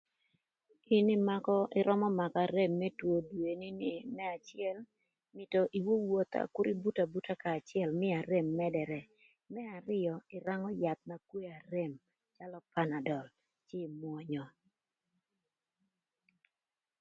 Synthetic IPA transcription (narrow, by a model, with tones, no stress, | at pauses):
ɪ˦nɪ˦ma˦kɔ˦ʔɪ˦ɾɔ˦mɔ˦ma˨kaɾe˦mːɛ˦two˨dwe˨nɪ˦nɪ˨mɛ˦a˨t͡ʃɪɛ˦l | mɪ˨to˨ʔi˨wo˦wo˨t̪a̰˨kʊ˦ɾi˦bu˦ta˨bu˦ta˦kaː˨t͡ʃɪɛ˨lmɪ˦a˨ɾe˨mːɛ˦dɛ˨ɾɛ˨ | mɛ˦a˨ɾɪ˦ɔ˨ɪ˨ɾa˦ŋɔ˦ja˨t̪̚na˨kwe˦a˨ɾe˦˨m | t͡ʃa˦lɔ˦pa˦na˨dɔ˨l | t͡ʃɪ˦˨mwɔ˨˦ɲɔ˨